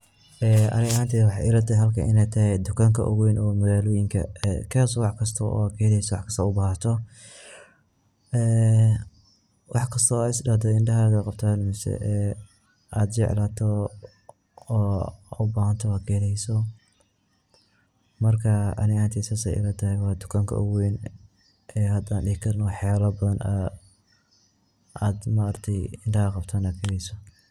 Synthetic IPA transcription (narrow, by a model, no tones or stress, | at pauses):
ʔɛːɐ̰nɪɣɐhaːnt̪ʰɛːwɑħɑjɪɾɐt̪ʰɐɦɐlkʰɐʔɪnɛːt̪ʰɐɦɛd̪ʊkʰaːŋkʰɐ̰ʔɔɣʊwɛnʔɔːmɐɣaːlɔːjɪŋkʰɐ̰ɛ̰kʰɛːsɔwɑħkʰɐst̪ʰɐʔɔ̰ːkʰɛːlɛjsɔwɑħkʰɐ̥st̪ʰɔʊbaːhɐt̪ʰɔ | ɛː | wʔɑħkʰɐst̪ʰɔːɪsdɐːd̪ɔɪnɖɐɦaɣɐqɑb̚t̪ʰaːnmusɛ̰ʔɛː | ʔaːd̪t͡ʃɛʕlaːt̪ʰɔ | ʊbaːhɐnt̪ʰɔɐːkʰɛɾɛjsɔ | mɐrkʰɐɐ̰nɪaːnt̪ʰiːsɐsɛ̰jʔɪ̰lɛːt̪ʰɐhɛwɑːd̪ʊkʰaːŋkʰɐ̰ʔʊweːn | ʔɛːhɐd̪aːnɖɪhɪkʰɐrnɔwɑħjaːlɐbɐðɐnʔɐ | ʔaːd̪mɐːrt̪ʰɛjɪnɖɐhɐqɑbt̪ʰaːnɐkʰɛːɾɛjsɔ